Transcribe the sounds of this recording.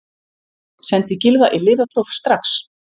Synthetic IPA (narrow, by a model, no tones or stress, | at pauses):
sɛnt̪ɪcɪlvaʔilɪːvat̪ʰlowfst̪ɾaks